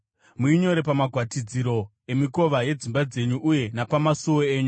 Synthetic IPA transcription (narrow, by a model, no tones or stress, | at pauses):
muiɲo̞ɾe̞pamaɡʱwatid͡ziɾo̞ | e̞miko̞ʋaje̞d͡zimbad͡ze̞ɲuʔuje̞napamasuwoeːɲu